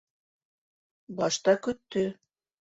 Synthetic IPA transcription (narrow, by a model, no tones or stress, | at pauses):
bɑʃt̪ɑkɵ̆t̪ːɵ